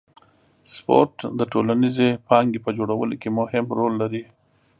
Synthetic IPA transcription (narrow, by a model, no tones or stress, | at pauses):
spo̰ɾʈd̪əʈolanizepɑŋɡepəd͡ʒoɽawəlokemʊhɪmɾolːaɾi